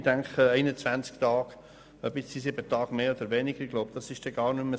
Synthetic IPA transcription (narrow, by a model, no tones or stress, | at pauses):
dæŋkχɛɪnət͡svænt͡skt̪ɑːɡ̥ | œbɪt͡sisɪbət̪ɑːɡ̥meːod̪əɾʋɛnɪɡ̥əɾɡ̥loʊbd̥̪ɑsɪʃd̥ɛɡɑːɾnʉmə